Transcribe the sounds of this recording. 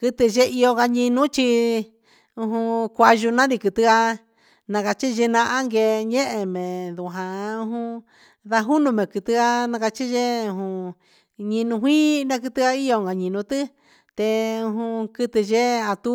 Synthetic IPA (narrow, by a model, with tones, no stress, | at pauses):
kɨ˧t̪ɨ˧ʒe˧˦i˧o˧ɣa˧ɲĩ˧nũ˦t͡ʃi˧ | ũ˧ɦũ˧kʷa˧ʒu˧nã˦nĩ˧kɨ˧t̪ɨ˧ɣa˧ | nã˧ka˧t͡ʃi˦ʒe˧nã˧ʔa˦ŋɡe˧ɲẽ˦ʔe˧mẽ˨ðu˨ɦã˨˧ũ˧ɦũ˧ | ða˧ɦu˦nũ˧mẽ˨kɨ˧t̪ɨ˧ɣa˧nã˧ka˧t͡ʃi˦ʒe˦ũ˧ɦũ˧ | ɲĩ˧nũ˧ɦʷĩː˦nã˧k̬ɨ˧t̪ɨ˧a˧i˦o˧˨ŋɡa˨ɲĩ˧nũ˧t̪ɨ˦ | t̪e˧ũ˧ɦũ˧kɨ˧t̪ɨ˧ʒe˦a˧t̪u˦